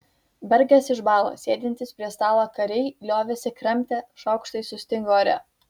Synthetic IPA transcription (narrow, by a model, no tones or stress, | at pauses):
bʲɛɾʲɡʲɛsɪʃbɑːlˠo̰ːsʲeːd̪ʲɪnʲt̪ʲɪspʲɾʲiɛst̪ɑːlˠoːkɐɾʲɛɪlʲoːʋʲesʲɛkɾɛmʲt̪ʲeːʃɒʊkʃt̪ɐɪsʊsʲt̪ʲɪŋɡoːɐɾʲɛ̰